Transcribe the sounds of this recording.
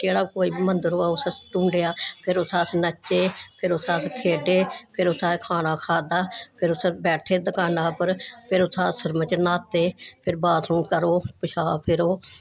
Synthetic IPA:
d͡ʒeːɽaːkoːiːbiːmənd̪əɾoːaːʊsəsʈũːɳɖeːaːpʰɪɾʊsʰaːsnət͡ʃːeːpʰɪɾʊsaːskʰeːɖeːpʰɪɾʊsʰaːkʰaːnaːkʰaːd̪aːpʰɪɾʊsbɛːʈʰeːd̪əkaːnaːpəɾpʰɪɾʊsʰaːsəɾmət͡ʃnaːt̪ːeːpʰɪɾbaːt̪nũːkəɾoːpɪʃʰaːpʰɪɾoː

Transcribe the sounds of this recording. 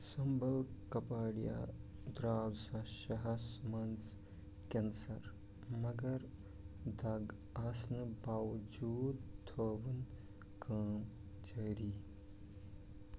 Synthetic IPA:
sɐmbɐlkɐpaːɽja̰d̪ɾaːdsɐʃɐɦɐsmɐnz | kensɐɾ | mɐɡɐɾ | d̪ɐɡ | ɐsnɨbaːʋd͡ʒuːd̪t̪ːʰoːʋɐn | kʰɐːm | t͡ʃɐɾi

